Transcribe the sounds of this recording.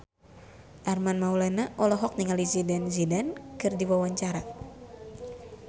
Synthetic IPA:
ʔarmanmaulanaʔɔlɔɦɔk̚niŋalizidanzidankɨrdiwawaɲt͡ʃaɾa

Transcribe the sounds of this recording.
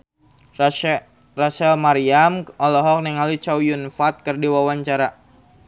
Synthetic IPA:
rasɛlmaɾiamʔɔlɔɦɔk̚nɛŋalit͡ʃawjunfat̪̚kɨrdiwawaɲt͡ʃaɾa

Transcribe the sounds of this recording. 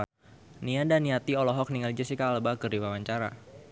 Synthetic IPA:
niadaniat̪iɔlɔɦɔk̚niŋald͡ʒəsikaːləbakərdiwawaɲt͡ʃaɾa̰

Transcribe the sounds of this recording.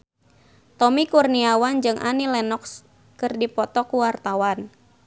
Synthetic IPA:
t̪ɔmikurniawand͡ʒɨŋʔa̰nilɛnɔks | kɨrdipɔt̪ɔkuwart̪awan

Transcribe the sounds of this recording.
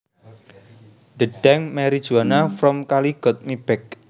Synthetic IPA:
ɖ̥əɖ̥ɛŋmɛɾid̥ʒ̥ṳwanafɾɔmkaliɡ̥ɔt̪̚mib̥ɛk̚

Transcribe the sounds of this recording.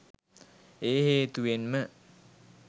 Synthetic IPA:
eːɦeːt̪uʋenmə

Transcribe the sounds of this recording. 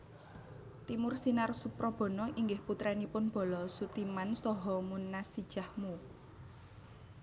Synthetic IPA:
t̪imʊrsinarsupɾɔb̥ɔ̤nɔʔiŋɡɪhput̪ɾɛnipʊnb̥ɔ̤lɔsut̪imansɔɦɔmunːasid̥ʒ̥a̤hmu

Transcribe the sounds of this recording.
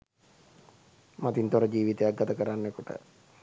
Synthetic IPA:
mat̪int̪oɾəd͡ʒiːʋit̪ejak̚ɡat̪əkəɾanːekuʈə̰

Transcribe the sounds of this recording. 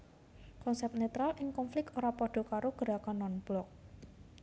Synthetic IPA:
kɔnsɛp̚t̪net̪ɾalʔɪŋkɔnflɪk̚t̪oɾapɔɖ̥ɔ̤kaɾoɡ̥əɾakanɔnplɔk̚

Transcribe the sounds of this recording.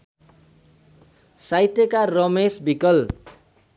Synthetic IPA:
sajt̪jʌkarʌmesbikʌl

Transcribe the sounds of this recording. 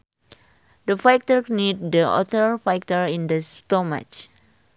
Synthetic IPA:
dəfajk̚təɹnid̚dəɔ̰t̪əɹfajk̚təɹĩndəstoma̰t͡ʃ

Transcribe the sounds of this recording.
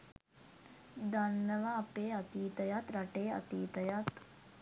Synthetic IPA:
d̪anːəʋaːpeːat̪iːt̪əjat̪ɾaʈeːɐ̰t̪iːt̪əjat̪

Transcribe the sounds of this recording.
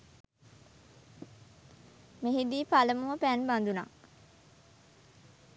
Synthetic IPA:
meɦid̪iːpaləmuʋəpænband̪una̰ː

